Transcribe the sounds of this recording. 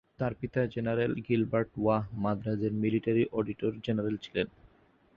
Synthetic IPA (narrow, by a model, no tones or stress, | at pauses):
t̪aɾpit̪ad͡ʑenaɾelɡilbaɾʈwaɦmad̪ɾad̪eɾmiliʈaɾiʔɔɖiʈoɾd͡ʑenaɾelt͡ɕʰilen